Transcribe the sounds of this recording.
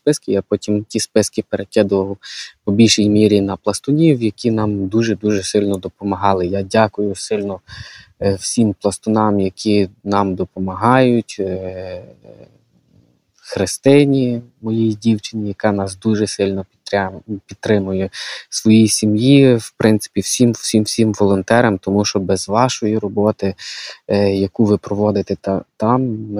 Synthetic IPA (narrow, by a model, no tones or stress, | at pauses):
spɪskɪjapɔtʲimtʲispɪskɪpeɾekʲɛd̪ʊʋɐlˠpɔbʲilʲʃijmʲiɾʲinɐplˠɐst̪ʊnʲiwjɐkʲinɑmd̪uʒɛd̪uʒɛsɪlʲnɔd̪ɔpɔmɐɦɑlˠɪjadʲakʊjʊsɪlʲnɔ | wsʲimplˠɐst̪ʊnɑmjɐkʲʰinɑmd̪ɔpɔmɐɦɑjʊtʲ | xɾɪst̪ɪnʲimɔjijidʲiwt͡ʃɪnʲɪjɐkɑnɑsd̪uʒɛsɪlʲnɔ | pʲit̪t̪ːɾɪmʊjʊsʋɔjisʲimjiwpɾʔɪnt̪sɪ̥pʲiwsʲimsʲimwsʲimʋɔlˠɔnt̪ɛɾɐmt̪ɔmuʃt͡ʃɔbɛzʋɑʃɔjiɾɔbɔt̪ɪ | jɐkuʋɪpɾɔʋɔd̪ɪt̪ɛt̪ɑm